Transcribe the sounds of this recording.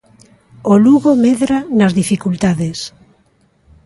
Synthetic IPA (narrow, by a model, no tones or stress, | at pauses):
oluɣomeðɾanazðifikult̪aðes